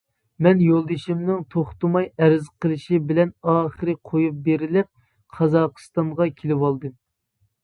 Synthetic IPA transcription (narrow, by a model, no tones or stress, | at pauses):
mɛnjolˠd̪ɨʃimnɪŋt̪ʰoχt̪ɨmɑjɛɾɪzqʰəlˠɪʃibɪlɛnɑːχəɾɨqʰojup̚beɾɪlɪp̚ | qʰɑzɑqɨ̥st̪ɑɴʁɑkʲʰelɪwɑlˠd̪ɨm